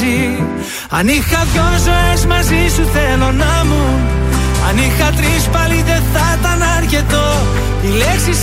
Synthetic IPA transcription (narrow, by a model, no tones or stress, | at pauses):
i | ɐnixɐpjonzo̞ezmɐzisuθe̞lo̞nɐmu | ɐnixɐt̪ɾispɐlit̪e̞θɐt̪ɐnɐɾce̞t̪o | ileksis